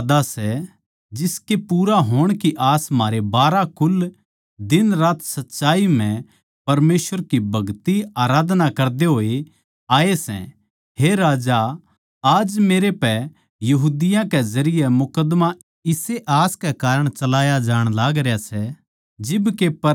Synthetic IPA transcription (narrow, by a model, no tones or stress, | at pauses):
d̪asɛ | d͡ʒɪskepuːɾaɦoːɽ̃kiʔaːsm̤aːɾebaːɾakʊl | d̪ɪnɾaːt̪sɐtːʃaːim̤ɛ̃ | pɐɾmeːsʋəɾkibʱɐɡt̪iaːɾaːd̪nakɐɾd̪eɦoːe | aːesɛ̰̃ | ɦeɾaːd͡ʒa | aːd͡ʒmeːɾepɛ | jɐɦuːd̪ɪjãkɛzɐɾɪjemʊkəd̪ma | ɪseʔaːskɛkaːɾəɽ̃t͡ʃɐlaːjad͡ʒaːɽ̃laːɡɾjasɛ | d͡ʒɪbkepɐ